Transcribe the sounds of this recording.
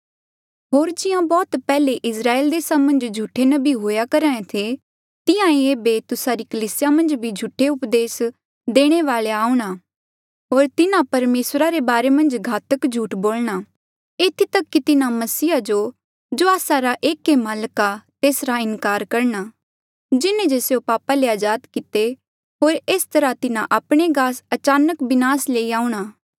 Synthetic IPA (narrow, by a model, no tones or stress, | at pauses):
ɦoːɾd͡ʒɪjãbɔːt̪pɛːleʔɪsɾaːeːld̪eːsamɐ̃nd͡ʒd͡ʒʱuʈʰːenɐbʱiɦoːjakɐɾaːẽt̪ʰe | t̪ɪjãẽeːbet̪ʊsaɾikɐliːsɪjamɐ̃nd͡ʒbʱid͡ʒʱʊʈʰːeʊpd̪eːs | d̪eːɽ̃eʋaːleaːuɽ̃aː | ɦoːɾt̪ɪnãpɐɾmeːsɾaɾebaːɾemɐ̃nd͡ʒɡʱaːt̪əkd͡ʒʱuːʈboːlɽ̃a | eːt̪ʰit̪ɐkːit̪ɪnãmɐsiːad͡ʒo | d͡ʒoaːsaɾaʔeːkːemaːlkat̪eːsɾaɪnkaːɾkɐɾɳ̃a | d͡ʒɪnẽd͡ʒeːsjopaːpaleaːd͡ʒaːd̪kɪt̪e | ɦoːɾeːst̪ɐɾat̪ɪnãʔaːpɽ̃eɡaːsɐt͡ʃaːnəkbɪnaːsleːiaːuɽ̃aː